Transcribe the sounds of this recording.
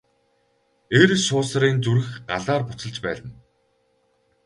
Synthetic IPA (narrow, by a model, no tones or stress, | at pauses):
eːɾʃʊːsɾiːnt͡suɾɘ̆xɢaɮaːrpʊt͡sə̆ɮt͡ɕpæːɮə̆n